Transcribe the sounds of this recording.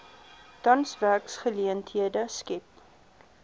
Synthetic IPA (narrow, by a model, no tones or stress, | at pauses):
d̥ɐnsvæksχəliəntɦiədəskɛp